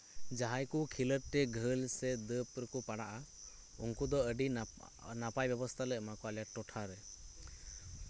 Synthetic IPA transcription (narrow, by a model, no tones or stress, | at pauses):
d͡ʒaɦajkukʰiləɾʈɛɡʱəlsɛd̪əpɾəkɔpaɽaʔa | ṵnkud̪ɔəɖi | napajbɛbɔst̪ʰalɛʔmakɔalijaʈɔʈʰaɾɛ